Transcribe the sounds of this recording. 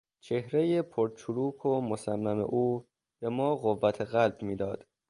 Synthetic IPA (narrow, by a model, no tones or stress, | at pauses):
t͡ʃʰe̞hɾe̞jepʰoɾt͡ʃʰuluːkʰomosæmːæme̞̰ʔuː | b̥e̞mɒːɣovːæt̪ʰeɣælbmiːd̪ɒːd̪̥